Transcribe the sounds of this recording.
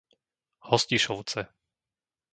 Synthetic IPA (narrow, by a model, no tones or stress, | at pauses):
hɔsciʃɔʊt͡sɛ